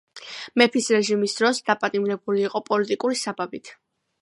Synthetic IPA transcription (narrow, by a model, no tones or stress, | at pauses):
mɛpʰisɾɛʒimisd̪̥ɾɔsd̪apʼat̪ʼimɾɛbuliːqʼɔpʼɔlit̪ʼikʼuɾisababit̪ʰ